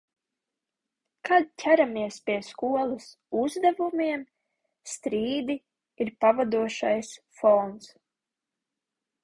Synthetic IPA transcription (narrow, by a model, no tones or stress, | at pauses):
kad̪cʰʲæɾamiɛspʲiɛskuɔlˠas | uzd̪ɛvumiɛm | st̪ɾiːd̪i | iɾpavad̪uɔʃajs | fɔnt̪s